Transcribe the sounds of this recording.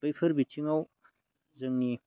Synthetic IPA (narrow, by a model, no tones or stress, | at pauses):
bɐjpʰɯɾbit͡ʃiŋaw | zɯŋni